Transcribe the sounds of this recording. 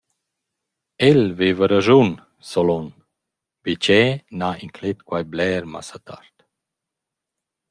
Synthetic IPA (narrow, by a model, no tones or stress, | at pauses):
elvevəɾəʒun | solɔn | bit͡ʃɛnaiŋkʰlet̪kwajblɛːɾma̰sat̪a̰ɾt̪